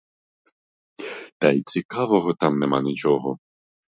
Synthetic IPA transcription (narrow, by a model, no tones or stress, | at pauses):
t̪ɐjt͡sʲikɑʋɔɦɔt̪amnɛmɑnʲɪt͡ʃɔɦɔ